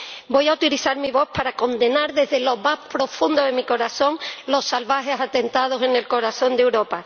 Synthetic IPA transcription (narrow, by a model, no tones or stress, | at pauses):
bo̞jaut̪iliθaɾmiβo̞hpaɾako̞nd̪e̞naɾðe̞zðe̞lo̞maspɾo̞fũnd̪oðemiko̞ɾaθõ̞ŋlo̞salβaxe̞sat̪e̞nt̪að̞o̞se̞ne̞lko̞ɾaθõ̞nd̪ewɾo̞pa